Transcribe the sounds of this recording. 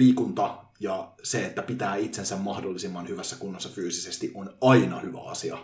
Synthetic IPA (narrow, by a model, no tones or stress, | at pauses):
liːkunt̪ɑjɑseet̪ːæpit̪æːit̪sensæmmɑhdolːisimːɑnhyʋæsːækunːɑsːɑfyːsisest̪iʔonɑinɑhyʋæ̰ɑ̰siɑ̰